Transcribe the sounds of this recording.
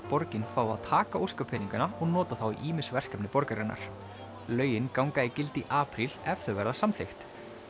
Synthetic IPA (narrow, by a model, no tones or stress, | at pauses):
pɔɾcɪnfaːwa̰ðt̪ʰaːkaowskapʰɪniŋkanaɔɣnɔːt̪aθawḭʔiːmɪsvɛr̥kɛpnɪpɔɾkaɾɪnːa̰ɾ̥ | lœːɥjɪnkawŋkaicɪlt̪iʔaːpɾilɛvθœvɛɾðasamθext̪